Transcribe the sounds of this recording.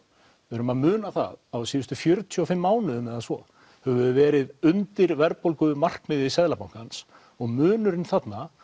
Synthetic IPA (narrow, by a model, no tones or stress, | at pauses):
vɪɾʏmaðmʏːnaθa̰ðawsiːʏst̪ʏfjœɾt̪ʰjɔɔfɪmːaːwnʏʏmɛðasvɔ̰ | hɛvʏvɛːɾɪðʏnt̪ɪɾvɛɾpolkʏmar̥kmɪðɪsɛðlapawŋ̥kans | ɔɣmʏːnʏɾɪnθat̪na